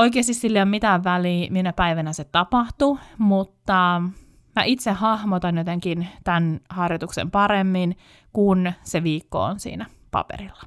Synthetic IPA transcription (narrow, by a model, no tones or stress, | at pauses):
oikˑeːst̪issilːeommit̪æʋʋæliːminæpæiʋænæset̪ɑpɑht̪umut̪ːɑ | mæʔit̪sehhɑhmot̪ɑnjot̪eŋkint̪ænhɑrjot̪uksḛmpɑɾemːin | kunseʋiːkːo̰o̰nsḭːnæ | pɑ̰pḛɾilːɑ̥